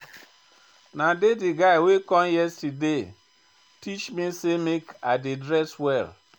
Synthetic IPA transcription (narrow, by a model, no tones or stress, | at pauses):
nadedɪɡaɪwekɔnjɛstide | tit͡ʃmisemekadɪdɾɛswɛl